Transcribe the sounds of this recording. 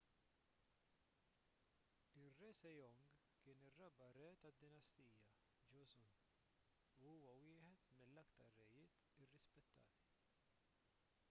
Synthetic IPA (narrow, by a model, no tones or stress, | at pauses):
ɪrɛsɛjɔŋɡ | kɪːnɪrːɐbɐɾɛːt̪ɐd̪ːɪnɐst̪iːjɐ | d͡ʒɔsʊn | uuːwɐwɪːħɛt̪mɪlːɐkt̪ɐɾːɛjɪːt̪ɪrːɪspɛt̪ːɐ̰ːt̪i̥